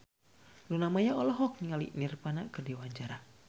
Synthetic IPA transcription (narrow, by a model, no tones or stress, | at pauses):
lunamajaɔlɔɦɔk̚niŋalḭnirpanakɨrdiwaɲd͡ʒaɾa